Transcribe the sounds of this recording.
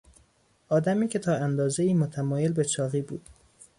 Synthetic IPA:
ʔɒːd̪æmiːcʰe̞t̪ʰɒːænd̪ɒːzeiːmot̪ʰæmɒːjelbe̞t͡ʃʰɒːɣiːbuːd̪̥

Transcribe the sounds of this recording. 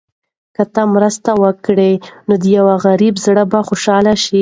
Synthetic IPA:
kət̪amɾəst̪awəkɽenod̪əjawaɣaɾibzɽəbaxoʃɑlaʃi

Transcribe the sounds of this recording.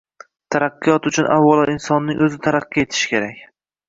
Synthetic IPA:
t̪ʰaɾɑqːɨjɒt̪ʊt͡ʃʰʊnʔa̰wːɒlˠaɪnsɒnːɪŋʔɵzɪt̪ʰaɾɑqːiet̪ʰɪ̥ʃkʲʰeɾakʲ

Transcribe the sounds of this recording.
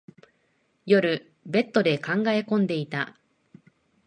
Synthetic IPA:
jo̞ɾɯ̟ | be̞t̪ːo̞d̪e̞kãŋɡae̞kõ̞nd̪e̞it̪a

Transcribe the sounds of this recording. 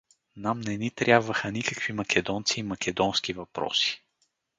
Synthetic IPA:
namnɛnit̪ɾʲjabvəxənikəkv̥imɐkʲɛd̪ɔnt̪siːmɐkʲɛd̪ɔnsk̟ivɐpɾɔ̰si̥

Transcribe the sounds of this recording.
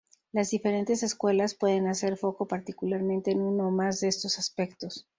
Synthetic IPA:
lazðife̞ɾe̞nt̪e̞se̞skwe̞laspwe̞ðe̞nase̞ɾfo̞ko̞paɾt̪ikulaɾmẽ̞nt̪e̞ːnuno̞mazðeest̪o̞saspe̞kt̪o̞s

